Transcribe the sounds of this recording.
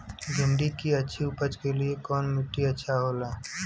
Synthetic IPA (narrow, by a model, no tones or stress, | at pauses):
d͡ʒʱʊmɖikiɐtːʃʰiʊpət͡ʃkeliekɔːnmʊʈːiɐtːʃʰaɦoːlaː